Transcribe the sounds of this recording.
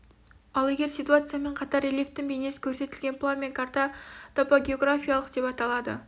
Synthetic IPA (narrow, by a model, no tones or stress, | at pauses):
ɑlˠeɡʲe̞ɾsijt̪uat̪sɨjame̞ɴqʰɑt̪ɑɾelʲeft̪ːɪŋbejne̞sɪ̥kʲʰɵɾse̞t̪ɪlɡʲe̞nplˠamʲekʰaɾt̪ɑt̪ʰopaɡʲeo̞ɡɾafʲijalˠəqd̪̥e̞pɑt̪ɑlˠɑd̪ə̰